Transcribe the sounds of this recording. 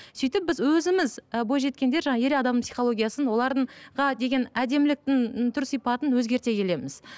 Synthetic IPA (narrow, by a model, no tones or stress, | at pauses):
sijt̪ɪp̚bɪzwɵzɪmɪzbo̞jʒe̞t̪̚kʲe̞nd̪e̞ɾʒɑɴɑe̞ɾeɑd̪ɑmpsijχo̞lˠo̞ɡʲijasənwo̞lˠɑɾd̪əɴʁɑd̪e̞ɡʲe̞næd̪e̞mɪlɪk̚t̪ɪŋt̪ʰʏɾsijpɑt̪ənwɵzɡʲe̞ɾt̪e̞kʲʰe̞le̞mɪz